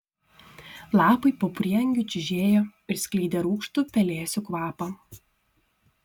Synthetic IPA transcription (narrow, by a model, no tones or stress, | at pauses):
lˠɑːpɐɪpoːpʲɾʲiːɐŋʲɡʲʊt͡ʃʲɪʒʲeːjoɪɾsʲkʲlʲiːd̪ʲeɾuːkʃt̪ʊpʲɛlʲeːsʲʊkʋɑːpɐ